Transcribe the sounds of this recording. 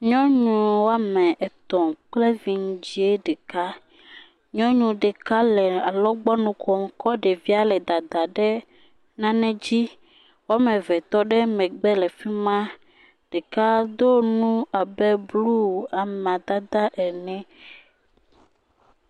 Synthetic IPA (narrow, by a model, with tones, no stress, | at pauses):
ɲɔ̃˦ɲũ˨wo˦a˦mɛ̃˨ʔɛ˨t̪ɔ̃˨k͡plɛ˦vi˨ŋ˦d͡ʑi˦e˦ɖɛ˨ka˦ | ɲɔ̃˦ɲũ˨ɖɛ˨ka˦lɛ˨a˨lɔ˦ɡ͡bɔ˦nũ˦kɔ˨m˨kɔ˦ɖɛ˨vi˦a˦lɛ˨d̪a˨d̪a˨ɖɛ˦ | nã˦nɛ̃˦d͡ʑi˦ | wo˦a˦mɛ̃˨vɛ˨t̪ɔ˦ɖɛ˦mɛ̃˨ɡ͡bɛ˦lɛ˨fi˦mã˦ | ɖ̥ɛ˨ka˦d̪o˦nũ˦a˨bɛ˦blu˦˨a˨m˨a˨d̪a˦d̪a˦ʔɛ˨nɛ̃˦